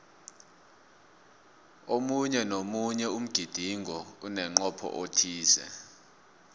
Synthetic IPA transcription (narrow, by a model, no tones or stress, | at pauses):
omuɲɛnomuɲɛum̩ɡ̥ʱid̥ʱiŋʱɔunɛŋ͡ǃɔpʰɔ̰ʔotʰiːzɛ̰